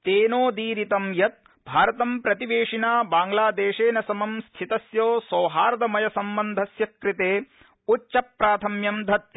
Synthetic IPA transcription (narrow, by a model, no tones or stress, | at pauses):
t̪eːnoːd̪iːɾit̪ɐmjɐt̪̚ | bʱaːɾɐt̪ɐmpɾɐt̪iʋeːʂinaːbaːŋɡlaːd̪eːʂeːnɐsɐmɐmst̪ʰit̪ɐsjoːsoːɦaːɾɐd̪ɐmɐjɐsɐmbɐnd̪ʱɐsjɐkɾit̪eː | utːt͡ʃɐpːɾaːt̪ʰɐmjɐmd̪ʱɐt̪̚